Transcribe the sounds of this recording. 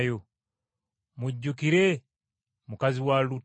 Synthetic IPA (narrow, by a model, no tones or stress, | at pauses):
jo | muɟːukiɾe | mukaziwalu